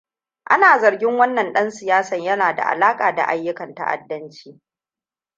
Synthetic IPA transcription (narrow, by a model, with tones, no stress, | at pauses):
ʔa̰˦naː˨zɐ˨ɾɡʲɪ˦ŋwɐ˦nːɐ˨nɗɐ˦nsɪ˨jaː˦sɐ˨ɲjɐ˦naː˨da̰˨ʔa̰˨laː˦kʼaː˨da̰˨ʔa˦jːʊ˦kɐ˨ntɐ̰˦ʔa̰˦˨dːɐ˦nt͡ʃiː˦